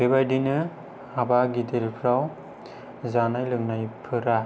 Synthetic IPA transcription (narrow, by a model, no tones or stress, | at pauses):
bebajdinɯ | habaɡidelpʰɾaw | zanajlɯŋnajpʰɯɾa